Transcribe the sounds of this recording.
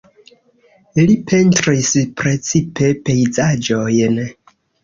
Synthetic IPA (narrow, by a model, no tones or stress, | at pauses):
lipʰe̞ntɾispɾe̞t͡sipe̞pe̞jzad͡ʒo̞jn